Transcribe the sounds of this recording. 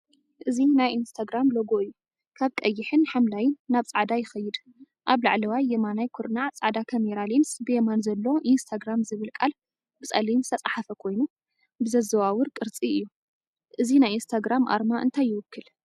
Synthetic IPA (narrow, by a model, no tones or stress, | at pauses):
ʔɨzinajʔinst̪ʰaɡɾamloɡoɨjːu | kʰaβkʼɐjːɪħɨnħamlajɪnːaβt͡sʼaʕd̪ajɪxɐjːɨd̪ | ʔaβlaʕlɐwajːemanajkʰoɾnat͡sʼaʕd̪akʰɐmeɾalinsbɨjemanzɐlːo̞ʔinst̪ʰaɡɾamzɨβɨlkʼa̰l | bɨt͡sʼɐ̰linst̪ʰɐt͡sʼaħafɐkʰo̞jnu | bɨzɐzɐwawʊɾkʼɨɾt͡sʼiɨjːu | ʔɨzinajinst̪ʰaɡɾamʔa̰ɾmaʔɨ̰nt̪ʰajːɪwʊkːɨl